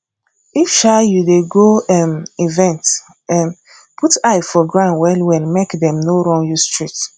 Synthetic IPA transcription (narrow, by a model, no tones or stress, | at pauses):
ifʃajudeɡoɛmivɛ̃nt | ɛ̃n | pʰutaɪfɔɡɹãnwɛlwɛ̃nmekdɛ̃mnoɹɔ̃njustɹit